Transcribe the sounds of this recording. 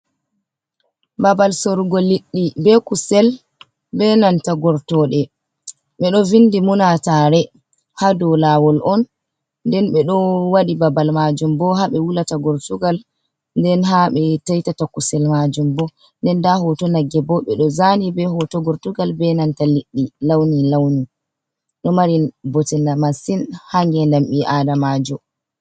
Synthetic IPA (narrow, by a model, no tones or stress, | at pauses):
babalsɔɾɡɔliɗːibɛkusɛl | bɛnantaɡɔɾtɔɗɛ | ɓɛɗɔvindimunataɾɛ | hadɔlawɔlʔɔn | ndɛnɓɛɗɔwaɗibabalmad͡ʒumbɔɦaɓɛwulataɡɔɾtuɡal | ndɛnɦaɓɛtajtatakusɛlmad͡ʒumbɔ | ndɛndahɔtɔnaɡɛbɔɓɛɗɔzanibɛɦɔtɔɡɔɾtuɡalbɛnantaliɗːilawnilawni | ɗɔmaɾinbɔtɛlamasinhaŋɡɛlamɓiʔadamad͡ʒɔ